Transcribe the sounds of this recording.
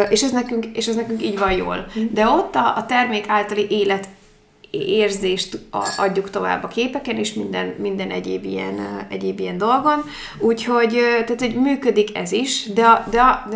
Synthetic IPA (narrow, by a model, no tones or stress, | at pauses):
ʔeːʃɛznɛkyŋkeːʃɛznɛkyŋkiːɟvɒnjo̰ːld̪ɛo̞t̪ːɒːt̪ɛrmeːkaːlt̪ɒliʔeːlɛt̪ | eːrzeːʃt̪ɒɟːukt̪o̞va̰ːbːɒkeːpɛkɛneːʃmind̪ɛnmind̪ɛnʔɛɟḛːbḭjɛ̰nɛ̰ɟeːbijɛnd̪o̞lɡo̞n | uːcho̞ɟt̪aːt̪hoɟmyːkød̪ikɛ̰ziʃd̪ɛɒd̪ɛɒ